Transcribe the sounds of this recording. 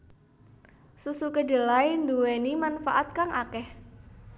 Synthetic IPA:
susukədə̤laind̪uwenimanfaʔat̪̚kaŋʔakɛh

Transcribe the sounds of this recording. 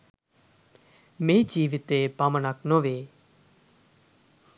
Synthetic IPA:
mẽːd͡ʒiːʋɪt̪eːpamənaknõːʋeː

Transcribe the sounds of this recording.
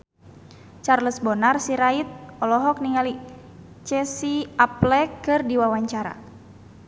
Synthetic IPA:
t͡ʃarləsbɔnarsiɾait̪̚ɔlɔɦɔk̚niŋali | t͡ʃɛsiaplɛkːɨrdiwawaɲt͡ʃaɾa̰

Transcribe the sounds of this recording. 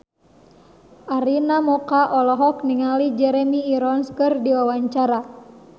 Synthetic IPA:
ʔaɾinamɔkaʔɔlɔɦɔk̚niŋalid͡ʒɛɾɛmiːɾɔnskɨrdiwawaɲt͡ʃaɾa

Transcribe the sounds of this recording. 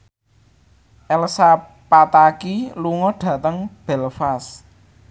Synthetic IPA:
ʔɛlsa | pat̪akiluŋɔɖ̥ä̤t̪əŋb̥ɛlfas

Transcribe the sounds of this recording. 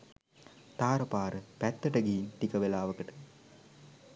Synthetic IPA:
t̪aːɾəpaːɾəpæt̪ːəʈəɡiint̪ikəʋelaːʋəkəʈə̥

